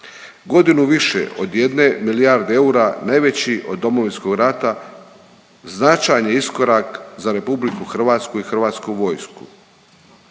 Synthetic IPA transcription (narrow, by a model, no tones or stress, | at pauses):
ɡo̞d̪inuʋiʃḛʔo̞d̪je̞d̪ne̞milijaɾd̪eeuɾanajʋe̞t͡ɕiʔo̞̰d̪ːo̞mo̞ʋinsko̞ɡɾat̪a | znat͡ʃajɲeisko̞ɾakzaɾe̞publikuxr̩ʋaːt̪skuixr̩ʋaːt̪skuʋo̞jsku̥̰